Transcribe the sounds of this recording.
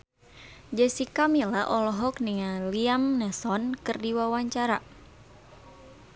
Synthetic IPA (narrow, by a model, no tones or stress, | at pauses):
d͡ʒɛsikamilaʔɔlɔɦɔk̚niŋaliamnɛsɔnkɨrdiwawaɲt͡ʃaɾa